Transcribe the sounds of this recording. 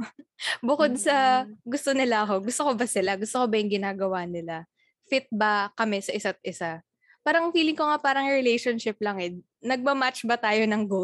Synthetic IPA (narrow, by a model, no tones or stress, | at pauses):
bʊko̞d̪̚sɐɡʊst̪onɪlaʔɐko̞ɡʊst̪o̞kobɐsɪlaɡʊst̪okobɐjʊŋɡɪnaːɡɐwanɪla | fɪt̪̚bɐkɐmɛsɐʔɪsat̪̚ʔɪsa | paːɾɐŋfiːlɪŋkoŋapaːɾɐŋɹɪlejʃonʃɪp̚lɐŋɛ | nɐɡ̚mɐmat͡ʃbɐt̪aːjo̞nɐŋɡo